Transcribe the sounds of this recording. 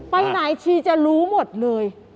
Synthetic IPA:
pa˧jnaː˨˦jt͡ɕʰi˧t͡ɕa˧˩luː˦˥mo˨˩t̪̚lɤː˧j

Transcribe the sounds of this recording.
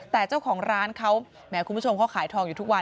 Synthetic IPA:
t̪ɛː˨˩t͡ɕaː˥˩wkʰɔː˩˦ŋɾaː˦˥nkʰa˦˥w | mɛː˦˥ku˧mbu˦˥˩o˧mka˥wkʰaː˩˦jt̪ʰɔː˧ŋjuː˨˩t̪u˦˥k̚wa˧

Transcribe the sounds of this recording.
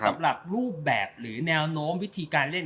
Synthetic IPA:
sa˩˦mɾa˨˩p̚ɾuː˥˩p̚bɛː˨˩p̚ɾɯː˩˦nɛː˧wnoː˦˥mwi˦˥t̪ʰiː˧kaː˧nle˥˩n

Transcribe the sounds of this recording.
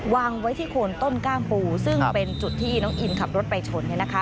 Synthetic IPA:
waː˧ŋwa˦˥jt̪ʰiː˥˩kʰoː˧nt̪o˥˩nkaː˥˩ŋpuː˧sɯ˥˩ŋpe˧nt͡ɕu˨˩t̪ʰːiː˥˩nɔː˦˥ŋʔi˧nkʰa˨˩p̚ɾo˦˥t̪̚pa˧jt͡ɕʰo˧nːi˥˩na˦˥kʰa˦˥

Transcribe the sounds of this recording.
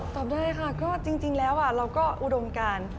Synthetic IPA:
t̪ɔː˨˩p̚daː˥˩jkʰa˥˩kɔː˥˩t͡ɕi˧ŋt͡ɕi˧ŋlɛː˦˥wʔa˨˩ɾaː˧wkɔː˥˩ʔu˨˩do˧mkaː˧n

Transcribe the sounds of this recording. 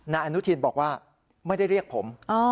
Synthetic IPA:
naː˧ʔa˧nu˦˥t̪ʰi˧nbɔː˨˩k̚waː˥˩ | ma˥˩jda˥˩jɾi˥˩ək̚pʰo˩˦mʔɔ˧

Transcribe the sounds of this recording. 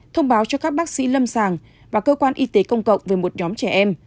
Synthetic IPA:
t̪ʰə˧wŋ͡mɓaː˨˦wt͡ɕɔ˧kaː˦˥k̚ɓaː˦˥k̚sḭ˧˥lə˧msaː˨˩ŋ | vaː˨˩kəː˧kwaː˧nʔi˧t̪e˨˦kə˧wŋ͡mkə̰˧˨wŋ͡mve˨˩mo˨˩t̚ɲɔ˨˦mt͡ɕɛ˧˩ʔɛ˧m

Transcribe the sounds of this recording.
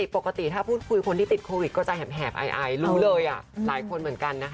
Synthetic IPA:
i˨˩po˨˩kːa˧t̪i˨˩t̪ʰaː˥˩pʰuː˥˩t̪̚kʰu˧jkʰo˧nt̪ʰiː˥˩t̪i˨˩t̪̚kʰoː˧wi˨˩t̚kɔː˥˩t͡ɕa˧ɦɛː˨˩p̚ɦɛː˨˩p̚ʔa̰˧jʔa˧jɾuː˦˥lɤː˧jʔa˨˩laː˩˦jkʰo˧nmɯ˩˦ənka˧nːa˦˥kʰ

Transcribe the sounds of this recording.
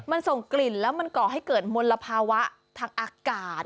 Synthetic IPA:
ma˧nso˨˩ŋkli˨˩nlɛː˦˥wma˧nkɔː˨˩ɦa˥˩jkɤː˨˩t̪̚mo˧nlːa˧pʰaː˧wa˦˥ʔ | t̪ʰaː˧ŋʔaː˧kaː˨˩t̪̚

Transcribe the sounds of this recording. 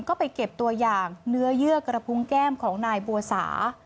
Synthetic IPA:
nkɔː˥˩pa˧jke˨˩p̚t̪u˧ɐjaː˨˩ŋnɯ˦˥ɐjɯ˥˩əkɾa˧pʰu˦˥ŋkɛː˥˩mkʰɔː˩˦ŋnaː˧jbu˧sa̰ː˩˦

